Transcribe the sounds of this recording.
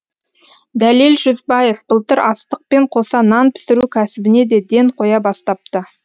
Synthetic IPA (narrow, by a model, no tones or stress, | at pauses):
d̪ælilʒʏzbɑje̞fbəlˠt̪əɾɑst̪əq̚pe̞ɴqʰo̞sɑnɑnpʰɪ̥sɪɾukʲʰæsɪbɪne̞d̪e̞d̪e̞ɴqʰo̞jɑbɑst̪ɑp̚t̪ə